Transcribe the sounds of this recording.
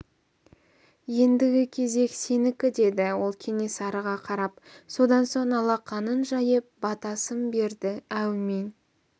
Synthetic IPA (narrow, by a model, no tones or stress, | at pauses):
je̞nd̪ɪɡʲɪkʲʰe̞ze̞kse̞nɪkʲɪd̪e̞d̪ɪwo̞lˠkʲʰe̞ne̞sɑɾəʁɑqʰɑɾɑpso̞d̪ɑnso̞ɴɑlˠɑqːɑnənʒɑjəp̚bɑt̪ɑsəmbe̞ɾd̪ɪæwmen